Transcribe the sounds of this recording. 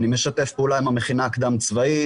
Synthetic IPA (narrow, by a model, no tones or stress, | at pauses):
nimeʃat̪efpeulaimameχinaːkd̪amt͡svai